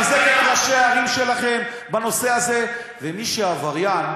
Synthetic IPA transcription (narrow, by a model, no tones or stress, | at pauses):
zeketʁaʃeaʁimʃe̞laχe̞m | bano̞se̞aze̞ | vemiʃeavaʁjan